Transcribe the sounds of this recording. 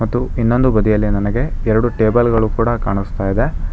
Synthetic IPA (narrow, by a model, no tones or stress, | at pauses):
mɐt̪ːuinːo̞nd̪ubɐd̪ijɐlːinɐnɐɡe̞ɛɾɐɽuʈe̞ːbɐlɡɐɭukuːɽɐkaːɳust̪aːjid̪e̞